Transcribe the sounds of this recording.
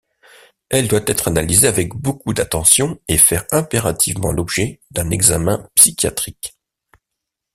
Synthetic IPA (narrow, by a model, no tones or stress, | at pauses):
ɛld̪wat̪ɛt̪χanalizeavɛkbokud̪at̪ɑ̃sjɔ̃efɛʁɛ̃peʁat̪ʰivmɑ̰̃lɔbʒɛd̪̥ɛ̃nɛɡzamɛ̃psikʲja̰t̪χik